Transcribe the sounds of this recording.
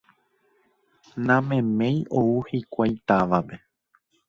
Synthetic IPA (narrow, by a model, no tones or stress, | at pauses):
nãmẽ̞mẽ̞j̃ʔouhikʷajt̪aʋape